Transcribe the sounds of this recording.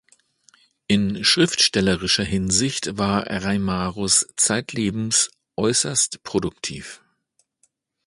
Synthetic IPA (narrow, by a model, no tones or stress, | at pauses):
ʔɪnʃʁ̥ɪftʃtɛləʁɪʃɐhɪnzɪçtvaːɐʁaɪmaːʁʊst͡saɪtʰleːbm̩s | ʔɔʏsɐstpʁ̥odʊktʰiːf